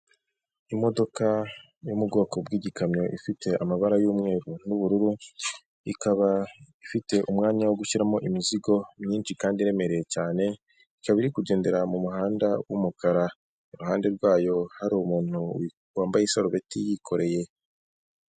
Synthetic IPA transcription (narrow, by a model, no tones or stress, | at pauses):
imo̞do̞ka | jumubɡo̞ːko̞bɡiːɟikamɲo̞ʔifitʰe̞ʔamaβaɾajuːmŋe̞ːɾun̥uβuɾuɾu | ikaβaifite̞ʔumŋaːɲawoɡuʃiɾamo̞ʔimiziɡo̞mɲiːnʃikaːndiɾe̞me̞ɾejecaːne̞ | ikaβiɾikuɟe̞ːnde̞ɾamumuɦaːndawumukʰaɾa | uɾuɦaːnde̞ɾɡwaːjo̞haɾumuːn̥uw | waːmbajesaɾoβe̞tijikʰo̞ɾe̞je̞